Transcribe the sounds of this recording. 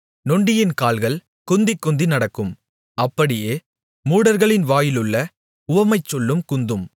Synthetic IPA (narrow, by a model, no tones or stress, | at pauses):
nɔɳɖɪjɪnkaːlɣɐɭ | kʊnd̪ɪkːʊnd̪inɐɽɐkːɯm | ɐpːɐɽɪjeː | muːɽɐɾɣɐɭɪnʋaːjɪlɯɭːɐ | ʊʋɐmɐɪt͡ʃːɔlːɯmkʊnd̪ɯm